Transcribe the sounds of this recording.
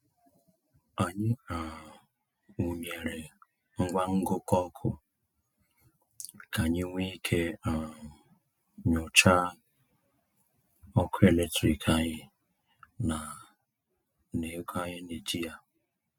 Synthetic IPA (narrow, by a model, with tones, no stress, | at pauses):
a˨ɲɪ˦a˨ | u˨me˨ɾe˨ | ŋ̩˦ɡʷa˦ŋ̩˦ɡʊ˦kɔ˦kʰʊ˦ | kʰa˨ɲɪ˦ŋʷi˦kʰe˦a˨ | ɲʊ˨t͡ʃa˦ | ɔ˦kʰʊ˦e˨le˦tɾi˨kʰa˦ɲɪ˦ | na˨ | ne˨˦kʰa˦ɲɪ˦ne˨d͡ʒi˦ja˦